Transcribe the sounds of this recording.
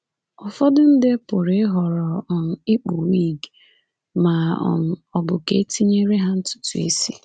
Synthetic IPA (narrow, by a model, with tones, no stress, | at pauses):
ɔ˨fɔ˦dʊ˦n̩˦dɪ˦pʊ˨ɾe˦ɦɔ˨ɾɔ˨ɔ˨n̩˨ɪ˦k͡pu˨wi˦˨ɡ | ma˨ɔ̰˨n̩˨ɔ˨bʊ˨ke˦e˦ti˦ɲe˦ɾe˦ɦa˦n̩˦tʊ̥˦tu˨ḛ˦si˦